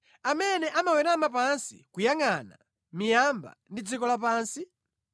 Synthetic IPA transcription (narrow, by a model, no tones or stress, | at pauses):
amɛnɛʔamawɛɾamap̬ansḭkujaŋana̰ | mijamba̰ndid͡zikɔlapaːnsi